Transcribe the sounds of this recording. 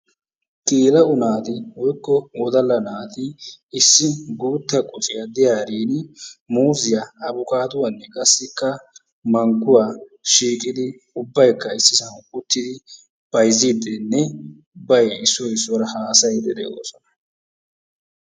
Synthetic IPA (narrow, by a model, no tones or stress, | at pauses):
kʼiːlɐʊnaːt̪ɪwɔjkːɔwɔd̪ɐlːɐnaːt̪ɪɪsːɪɡuːt̪ːɐkʼʊt͡ʃʼɪjɐd̪ɪjaːɾiːnmuːzɪjaɐbʊkʼaːt̪ʊwɐnːɛkʼɐsːɪkːɐ | mɐŋɡʊwaːʃiːkʼɪd̪ɪ | ʊbːɐjkːɐɪsːɪsɐnkʼʊt̪ːɪd̪ɪ | b̥ɐjzɪd̪ɛnːɛ | ʊbːɐjɪsːɔjɪsːɔɾɐhaːsɐjd̪ɛd̪ḛːdo̰sɔnɐ